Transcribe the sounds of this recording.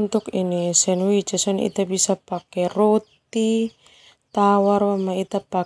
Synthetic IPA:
nt̪ukinisɛnwit͡ʃɛsɔnḭt̪abisapakɛrot̪i | t̪awarwamait̪apa

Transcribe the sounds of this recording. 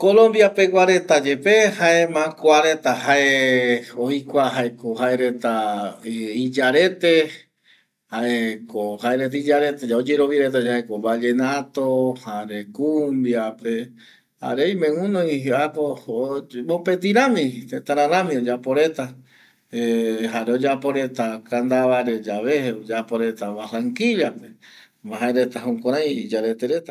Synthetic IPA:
kolõmbjapeɡʷwaɾe̞t̪ad͡ʒe̞pehaemãkʷaɾe̞t̪ahae | ojkʷaɦaekoɦaeɾe̞t̪a | id͡ʒaɾet̪e | haʔekohaeɾet̪id͡ʒaɾe̞t̪ed͡ʒaod͡ʒeɾoβjaɾet̪̬ad͡ʒaekobad͡ʒenat̪ohaɾekumbjape̞ | a̰ɾejmẽũnõj̃apo | mõpet̪̬iɾãmĩt̪et̪aɾãɾãmĩod͡ʒapoɾe̞t̪a | eɦaɾeod͡ʒapoɾe̞t̪akand̪aβaɾe̞d͡ʒaβeheod͡ʒapoɾe̞t̪aβasaŋkiliape | maɦaeɾe̞t̪aɦokʷãɾ̃ãj̃d͡ʒaɾe̞t̪eɾe̞t̪a

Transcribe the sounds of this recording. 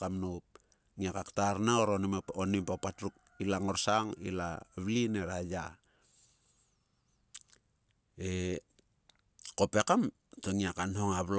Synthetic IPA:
kamnop̚ | ŋiakaktarnaoɾonimonimpapatɾuk̚ | ilaŋo̞ɾsaŋḭla̰βlineɾaja | e | kope̞kam | toŋiakanɦo̞ŋaβl

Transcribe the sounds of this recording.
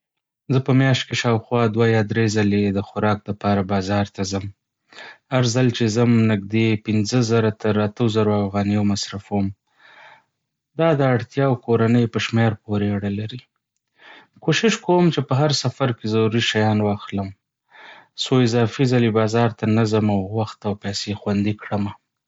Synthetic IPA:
zəpəmjɑʃt̪̚keʃɑwxwɑd̪wajɑd̪ɾezaled̪əxʊɾɑk̚d̪əpɑɾabɑzɑɾt̪azəm | haɾzalt͡ʃezəmnɪɡd̪epɪnzəzaɾat̪ʰəɾat̪əzaɾoafɣɑnijomasɾafwəm | d̪ɑd̪əaɽt̪jɑwkoɾanəjpəʃmeɾpoɾeaɽalaɾi | koʃɪʃkowəmt͡ʃepəɦaɾsafaɾkezaɾuɾiʃajɑnwɑxləm | soɪzɑfizalebɑzɑɾt̪anazəmawwaxt̪awpɛsexwand̪ikɽəma

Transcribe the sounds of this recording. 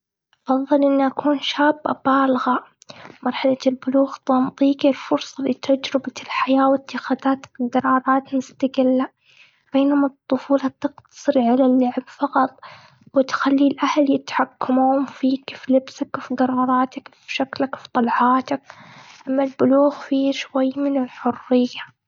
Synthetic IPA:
ʔɑfɑðˤːɨlʔɪnːiʔakʰuːnʃaːbːa̰baːlɣa | mɑɾˤħalalbʊluːɣt̪ˤɑmt̪ˤiːkilfʊɾsˤɑlit̪ʰad͡ʒɾɪbaɪlħajaːwɪt̪ːɪxaːðaːt̪ḁɡɑɾˤɑːɾˤɑːt̪mʊst̪aɡɪlːa | b̥eːnʊmɨt̪ˤːʊfuːlɑt̪ɨqt̪ɑ̥sˤɨɾʕalalːaʕɪbfɑqɑt̪ˤ | wɪt̪xalːilʔahljɪt̪ħakːamuːʊmfiːkflɪbsakfiɡɑɾˤɑːɾˤɑːt̪akfʃaklakfit̪ˤɑlʕɑːt̪akʔamːalbʊluːɣfiʃwajːmɪnɪlħʊrːɪjːa

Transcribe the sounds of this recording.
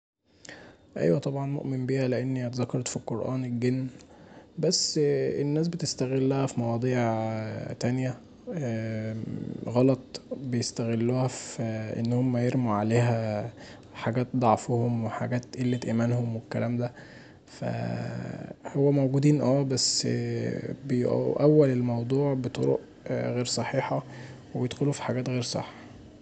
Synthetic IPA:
ʔæ̰jwæt̪ˤɑbʕɑnmo̰ʔmembiːhæleʔenːiʔæt̪zækːɑɾˤt̪filqoɾʔæ̰ːnelɡenː | bæsːenːæːs̬bet̪est̪æɣelːæhæfimɑwɑd̪ˤiːʕt̪ænjæ | ɣɑlɑt̪ˤbejest̪æɣelːuːhæfʔḛnːhomːæjeɾmuʕaleːɦæ | ħaɡæːt̪̚d̪ˤɑʕfhomweħaɡæːt̪ʔelːet̪ʔæmænhomwekːælʔæːmd̪æ | fæ̰ | howːæmowɡud̪iːnʔæːbæsː | bejʔʔæwːælelmɑwd̪ˤuːʕbet̪ˤoɾo̰ʔ | ɣeːɾsˤɑħiːħɑwebejed̪xolufi̥ħaɡæːt̪ɣeːɾsˤɑ̰ħːɑ

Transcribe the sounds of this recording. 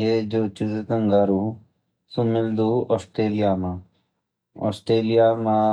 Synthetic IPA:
jed͡ʒoːt͡ʃuzet̪əŋɡaɾu | sumɪld̪uɔːsʈɾeːlɪjaːmã | ɔ̰ːsʈɾeːlijaːmã

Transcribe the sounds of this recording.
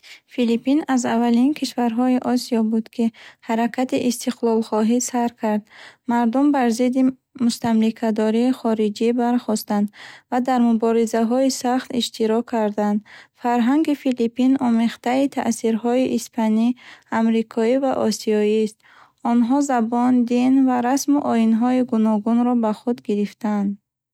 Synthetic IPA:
filipinazavalinkʰiʃvaɾɦɔiʔɔsiɔbud̪kʰihaɾakʰat̪iʔist̪ʰiqlɔlχɔɦisaɾkʰaɾd̪maɾd̪umbaɾzid̪i | must̪amlikʰad̪ɔɾiːχɔɾid͡ʒibaɾχɔst̪and̪vad̪aɾmubɔɾizaɦɔisaχt̪iʃt̪ʰiɾɔkʰːaɾd̪and̪faɾɦaŋɡifilipinɔmeqt̪ait̪ʰa̰ʔsiɾhɔiʔːspʰaniamɾikʰɔivaʔɔsiɔist̪̚ | ɔnɦɔzabɔnd̪invaɾasmuʔɔinɦɔiɡunɔɡunɾɔbaχud̪ɡiɾift̪ʰand̪

